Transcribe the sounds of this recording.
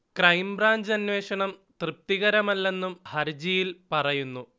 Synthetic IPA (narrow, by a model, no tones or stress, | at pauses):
krɐjmbraːɲd͡ʑɐnʋe̞ːʂɐɳɐmt̪rɨp̚t̪iɣɐɾɐmɐlːe̞nːumhɐɾd͡ʑijilpɐrɐjunːu